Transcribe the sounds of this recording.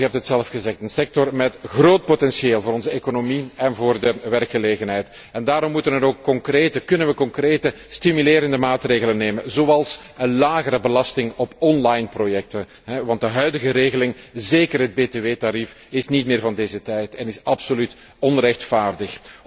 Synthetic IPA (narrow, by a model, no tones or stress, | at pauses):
ɦɛp̚tətsɛlfxəzɛxtənsɛk̚tɔrmɛtɣroːt̚potɛnsieːlˠvoːɾɔnzəekonomiɛnvoːrdəʋɛrkxəleːɣənɦɛjt | ɛndaːɾɔmːutənənoːkːɔŋkreːtəkɵnənʋəkɔŋkreːtə | stimyleːɾəndəmaːtreːɣələnːeːmənzoɑlˠsənlaːɣəɾəbəlɑstɪŋɔpɔnlajnprojɛk̚tən | ɦɛʋɑnt̚dəɦœɥdəɣəɾeːɣəlɪŋzeːkərɦəd̚beːteːʋeːtaɾif | ɪsnitmɪːrvɑndeːzətɛjtɛnɪsɑpsolyt | ɔnrɛxtfaːrdəx